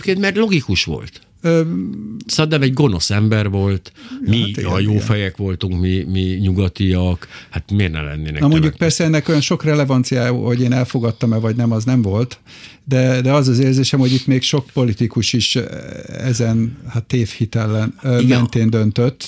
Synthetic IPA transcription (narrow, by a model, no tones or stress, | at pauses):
pkeːnt̪mɛrlo̞ɡikuʃʋo̞̰lt̪ | øːsɛd̪ɛmɛɟɡo̞no̞sɛmbɛrvo̞lt̪miɒjoːfɛjɛkʋo̞lt̪uŋkmimiɲuɡɒt̪iɒkhat̪meːrnɛ̰mlɛ̰nːeːnɛnmo̞ɲɟuk̚pɛrsɛɛnːɛko̞jɒnʃo̞krɛlɛvɒnt̪sijaːjho̞ɟeːnɛlfo̞ɡɒt̪ːɒmɛvɒɟnɛmɒznɛmvo̞lt̪ | d̪ɛd̪ɛɒzɒzeːrzeːʃɛmho̞ɟit̪meːkʃo̞k̚po̞lit̪ikuʃiʃ | ɛ̰zɛnhat̪ːeːfhit̪ɛlːɛnɡɛnt̪eːnd̪ønt̪øt̪ː